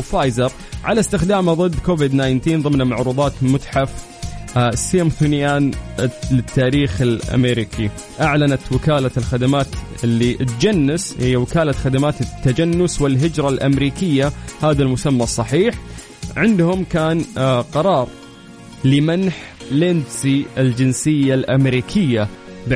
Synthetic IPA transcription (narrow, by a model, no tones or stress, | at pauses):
faːjzɑɾˤ | ʕalast̪ɪxd̪aːmaðˤɨd̪ːkoːvɪd̪naːjnt̪iːnðˤɨmnamaʕɾuːðˤɑːt̪mʊt̪ħaf | siamθunjaːnlɪt̪ːaːɾiːxɪlʔa̰meːɾɪkʰi | ʔaʕlanat̪wɪkaːlalxad̪amaːt̪ | ɪlːiʔt̪d͡ʒanːɪshɪjːawɪkaːlaxad̪amaːt̪ɪt̪ːad͡ʒanːʊswɪlɦɪd͡ʒɾˤɑlʔamɾiːkɪjːahaːðalmʊsamːasˤːɑħiːħ | ʕɪnd̪hʊmkaːnqɑɾˤɑːɾˤ | lɪmanħ | lɪnd̪siɪld͡ʒɪnsɪjːalʔamɾiːkʰɪjːa | b